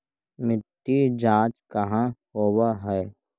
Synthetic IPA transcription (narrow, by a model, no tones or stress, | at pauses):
mɪt̪ːid͡ʒãːt͡ʃkəɦãɦoːwaɦɛː